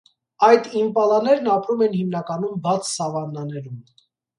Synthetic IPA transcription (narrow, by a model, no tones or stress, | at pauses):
ɑjd̪impɑlɑnɛɾnɑpɾumɛnhimnɑkɑnumbɑt͡sʰsɑvɑnːɑnɛɾum